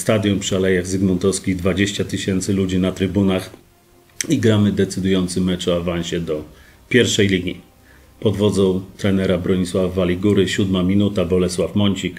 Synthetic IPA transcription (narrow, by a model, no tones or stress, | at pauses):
st̪ad̪ʲjɔmpʂɘalɛjaɣzɘɡmɔnt̪ɔskʲiɣd̪vad͡ʑeɕt͡ɕat̪ɘɕɛnt̪sɘlud͡ʑinat̪ɾɘbunax | iɡɾamɘd̪ɛt̪sɘd̪ujɔnt̪sɘmɛt͡ʂɔavanɕɛd̪ɔ | pʲjɛɾfʂɛjlʲiɡʲi | pɔd̪vɔd̪zɔ̃w̃t̪ɾɛnɛɾabɾɔɲiswavavalʲiɡuɾɘɕud̪mamʲinut̪abɔlɛswafmɔɲt͡ɕik